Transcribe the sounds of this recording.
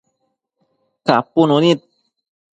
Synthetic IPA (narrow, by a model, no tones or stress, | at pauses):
kapːunonit̪̚